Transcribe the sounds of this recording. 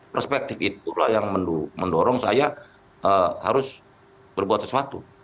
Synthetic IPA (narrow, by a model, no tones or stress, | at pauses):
pərspɛk̚t̪ɪfit̪ula̰hjaŋmənduməndɔɾɔŋsaja | əha̰ɾʊs | b̥ərbuat̪səsuat̪ṵ